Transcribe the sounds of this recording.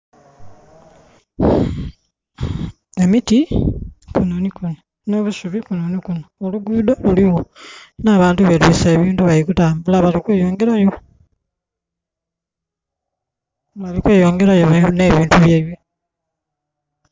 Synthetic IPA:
emiti | kunonikuno | noβusuβikunonikunooluɡuːdoluliwonaːβaːntuβelwiseːβiːntuβajikutaːmbulaβalikweːjoːŋɡeɾajo | βalikweːjoːŋɡeɾajoβane̞ːβiːntuβjeːβje

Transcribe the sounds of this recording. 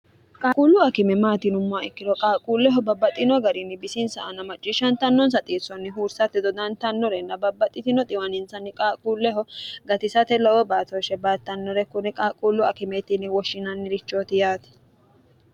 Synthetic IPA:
kʼaːkʼuːlːʊɐkɪmɛmaːt̪ɪnʊmːʊaɛkːɪd̪ɔkʼaːkʼuːlːɛɦɔbɐbːɐt̪ʼːɪnɔɡɐɾɪnɪbɪsɪnsɐʔɐnːɐmɐt͡ʃʼːɪʃɐnt̪ɐnːɔns̬ɐt̪ʼeːsɔnːɪɦuːɾsɐt̪ːɛd̪ɔd̪ɐnt̪ɐnːɔɾɛnːɐbɐbːɐt̪ʼːɪt̪ɪnɔt̪ʼɪwɐnɪnsɐnːɪkʼaːkʼuːlːɛɦɔɡɐt̪ɪsɐt̪ɛlɔwɔbaːt̪ɔʃɛbaːt̪ːɐnːɔɾɛkʊnɛkʼaːkʼuːlːʊɐkɪmɛt̪ɪnɪwɔʃːɪnɐnːɪɾɪt͡ʃːoːt̪ɪjaːt̪ɛ̥

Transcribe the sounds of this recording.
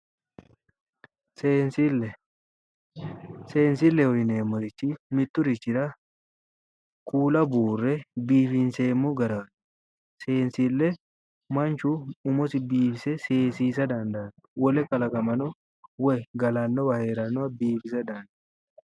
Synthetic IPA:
seːnsilɛ | seːnsɪlːɛhɔjneːmːɔɾɪt͡ʃːɪmɪt̪ːʊɾɪt͡ʃːɪɾɐ | kuːlɐbuːrːɛbiːfɪnseːmːʊɡɐɾaːn | seːnsilːɛ | mɐnt͡ʃuʊmɔsɪbiːfɪsɛseːsiːsɐd̪ɐnd̪ɐn | wɔlɛkɐlɐkʼɐmɐnɔ | wɛɡɐlanːɔwɐheːɾɐnːʊɐbiːfɪsɐd̪ɐnd̪ɐ

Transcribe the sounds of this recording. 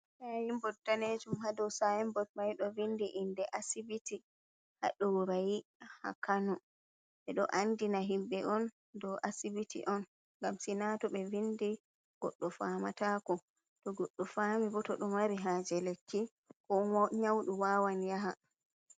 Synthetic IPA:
sajimbɔt̚daned͡ʒumhadɔwsajimbɔd̚majɗɔvindiʔindɛʔasibiti | ha̰ɗɔwɾajiha̰kanɔ | ɓɛɗɔ̰ʔandinaɦimbɛʔɔn | dɔwʔasibitḭʔɔn | ŋɡamsinatɔɓɛvindi | ɡ̥ɔ̰ɗːɔfamatakɔ | tɔɡɔɗːɔfaːmibɔtɔɗɔmaɾiɦaːd͡ʒɛlekʰːi | kɔɲawɗuwawanjaɦa

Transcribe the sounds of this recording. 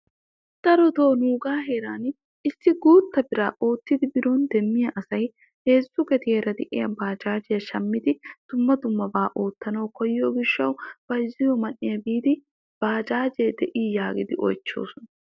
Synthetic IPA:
d̪̥ɐɾɔt̪oːnuːɡaːɦeːɾaːn | ɪsːɪɡuːt̪ːɐbɪɾaːʔoːt̪ːɪd̪ɪbɪɾoːnd̪ɛmːɪjɐʔɐsɐj | he̞ːzːʊɡɛt̪ɪeːɾɐd̪ɪʔɪjɐbaːd͡ʒaːd͡ʒɛjɐʃɐmːɪd̪ɪd̪̥ʊmːɐd̪ʊmːɐbaːʔo̞ːt̪ːɐnɐwkɔjːoːɡɪʃːɐwb̥ɐjzɪjɔmɐnːɪjɐbiːd̪ɪ | b̥aːd͡ʒaːd͡ʒeːd̪ɛʔiːjaːɡɪd̪ɪʔɔ̰jt͡ʃːo̞̰ːsɔnɐ

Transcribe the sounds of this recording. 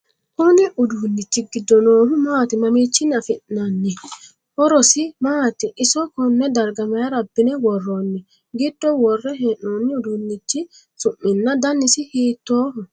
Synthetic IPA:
kʊnɪʔʊd̪unːɪt͡ʃːɪɡɪd̪ːɔnoːhʊmaːt̪ɪmɐmiːt͡ʃːɪnɐfɪʔnɐnːɪ | ʔɔɾɔsɪmaːt̪ɪʔɪsɔkɔnːɛd̪ɐɾɡɐmɛjɐɾɐbːɪnɛwɔrːonːɪ | ɡɪd̪̥ːɔwɔrːɛɦeːʔnoːnːɪʊd̪uːnːɪt͡ʃːɪ | sʊʔːɪnːɐd̪ɐnːɪsɪhiːt̪ːoːhʊ

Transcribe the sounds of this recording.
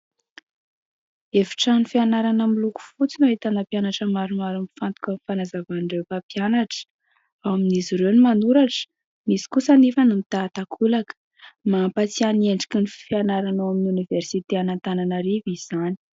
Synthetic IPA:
efi̥ʈ͡ʂanifianaɾanəmiluku̥fut͡sinoet̪anapjanaʈ͡ʂəmaɾumaɾumifant̪u̥kʲanifanazavanɖ͡ʐewpapjanaʈ͡ʂə̥ | awaminiziɾenimanuɾaʈ͡ʂə̥ | misi̥kusanefanumit̪aːt̪akʰulakə̥ | mampat͡sianieɳɖ͡ʐi̥kinifianaɾanowaminuniversit̪eanant̪ananəɾiviz̥ani̥

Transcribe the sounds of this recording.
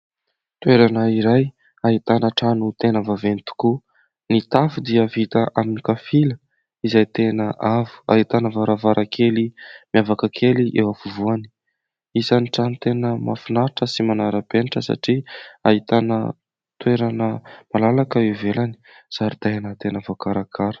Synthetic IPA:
t̪weɾanəiɾaj | aɦit̪anəʈ͡ʂanut̪enəvavenit̪u̥ku | nit̪afud̪iəvit̪aʔaminikafilə | izajt̪enəʔavu̥a̰ɦit̪anəvaɾavaɾʔakʰelimiavakəkʰeliʔewafuvuani̥ | izaniʈ͡ʂanit̪enəma̰funaɾiʈ͡ʂəsimanaɾəpeniʈ͡ʂəsa̰ʈ͡ʂia̰ɦit̪anə̰ | t̪weɾanəmalalakəwevelani̥ | saɾid̪̥ajanat̪enavakaɾakʰaɾə̥

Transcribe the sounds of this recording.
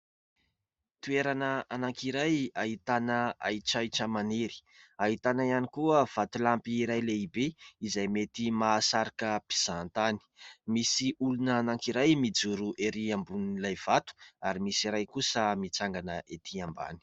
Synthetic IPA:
t̪ueɾanəanaŋkiɾajaɦit̪anəa̰jʈ͡ʂajʈ͡ʂəmaneɾi̥ | aɦit̪anaianikuəv̥at̪ulampiːɾajleibeizajmet̪imaːsaɾakəpi̥z̥ant̪ani̥misiulunaːnaŋkiɾajmid͡zuɾuʔeɾiambunilajv̥at̪u̥aɾimisiɾajkusəmit͡saŋɡanəʔet̪ʰiamba̰ni̥

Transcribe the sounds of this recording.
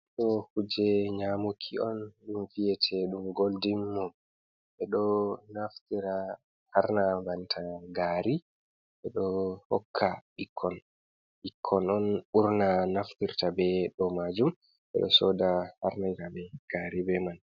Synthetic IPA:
ɗɔhud͡ʒɛɲamukʰiɔnɗumfijɛtʰɛɗumɡoldimːɔm | ʔɛɗɔnaftiɾa | haɾnabantʰaɡaɾi | ɓɛɗɔhɔ̰kʰːaikʰːɔn | ʔikʰːɔnɔnuɾnanaftiɾtabɛɗɔmad͡ʒum | ʔɛ̰ɗɔ̰sɔdahaɾnajtabɛɡ̥aɾibɛman

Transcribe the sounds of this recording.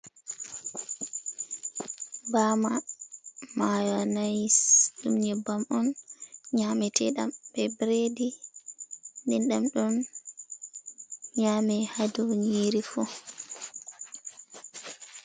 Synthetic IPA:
bama | majanajsɗumɲɛbamɔnɲamɛtʰɛɗa̰mbɛbɾedi | ndɛnɗamɗɔn | ɲaːmɛhadɔɲiɾifɔ

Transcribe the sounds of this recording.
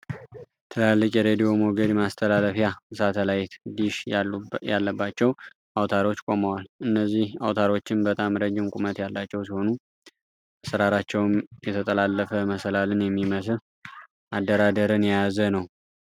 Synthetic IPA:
t̪ʰɨlalːɨkʼjɛɾed̪ijo̞moɡəd̪mast̪ʰəlaləfjaɨsat̪ʰəlajt̪d̪iʃjalːəbːat͡ʃːɛw | ʔawt̪ʰaɾo̞t͡ʃːkʼo̞məwalʔɨnːəzːihawt̪ʰaɾo̞t͡ʃːɪnbət̪ʼamɾəd͡ʒːɪmkʼumət̪jalːat͡ʃːɛwsiho̞nu | asəɾaɾat͡ʃːɛwmjɛt̪ʰət̪ʼəlalːəfəməsəlalɨnjɛmːiməsɨ | ʔad̪ːəɾad̪əɾɨnjajazənəw

